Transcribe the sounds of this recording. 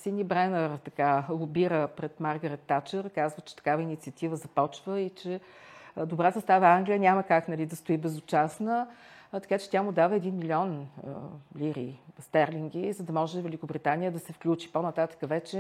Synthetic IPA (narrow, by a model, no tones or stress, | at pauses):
sinʲiəbɾɛnəɾt̪ɐkalˠʊbiɾəpɾɛt̪maɾɡəɾɛt̪ːat͡ʃəɾkazvət͡ʃɛ̥t̪ɐ̥kavəinit̪siət̪ivəzɐpɔt͡ʃvəit͡ʃɛ | d̪obɾasɐst̪avəaŋɡlʲijənʲaməkaknɐlid̪ɐst̪oibɛzʊt͡ʃasnət̪ɐ̥kat͡ʃɛ̥t̪ʲamud̪avəɛd̪inmilʲiɔn | liɾist̪ɛɾliŋɡʲizɐd̪ɐmɔʒɛvɛlʲikobɾit̪anijəd̪ɐsɛfklʲut͡ʃi̥ponɐt̪at̪ə̥kəvɛt͡ʃɛ